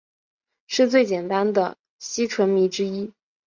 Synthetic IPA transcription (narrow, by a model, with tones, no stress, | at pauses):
ʂɻ̩˥˧t͡swe˥˩ɪt͡ɕjɛ˨˩nt̪a˥nd̪ə̰˨ | ɕi˥ʈ͡ʂʰwə˧˥nmi˧˥ʈ͡ʂɻ̩˥i˥